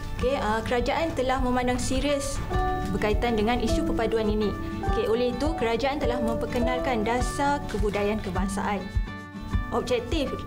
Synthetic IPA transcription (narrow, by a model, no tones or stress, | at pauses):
okeəkəɾad͡ʒaʔant̪əlahmə̃mãndaŋsiɾiəs | bərkait̪andəŋãnʔisupəpaduaninĩ | okeʔolɛhit̪ukəɾad͡ʒaant̪əlahmə̃mpəkənãlkandasakəbudajankəbaŋsa̰ʔan | ʔɔb̚d͡ʒɛk̚t̪if